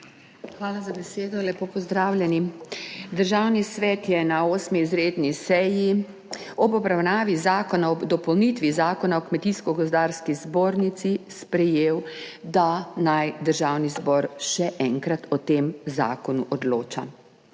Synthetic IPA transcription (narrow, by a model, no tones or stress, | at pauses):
xʋaːlazabɛseːd̪ɔlɛpoːpɔzd̪ɾaːwlʲjɛnid̪əɾʒawnisʋɛt̪jɛnaoːsmiːzɾeːd̪nisɛji | ɔbɔbɾawnaːʋizaːkɔnaɔd̪ɔpɔwnit̪ʋizaːkɔnaɔkmɛt̪iskɔɡɔzd̪aːɾskizboːɾnit̪sispɾɛjeːwd̪anajd̪əɾʒaːwnizbɔːɾʃɛʔɛŋkɾat̪ʰɔt̪emza̰ːkɔnuʔɔd̪loːt͡ʃa̰